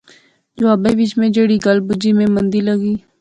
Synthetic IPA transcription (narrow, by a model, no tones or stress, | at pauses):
d͡ʒoaːbəʋɪt͡ʃmẽːd͡ʒeɽiːɡəlbʊd͡ʒimẽːmənd̪iːləɡiː